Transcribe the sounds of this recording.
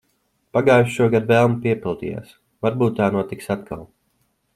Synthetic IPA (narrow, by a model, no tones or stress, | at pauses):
paɡaːjʃʃuɔɡad̪vɛlˠmpiɛpʲilˠd̪ḭja̰ːs | vaɾbuːt̪ːaːnuɔt̪iksat̪ka̰lˠ